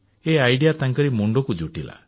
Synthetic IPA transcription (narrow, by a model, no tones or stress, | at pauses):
eajɖijat̪aŋkɔɾimuɳɖɔkud͡ʒuʈila̰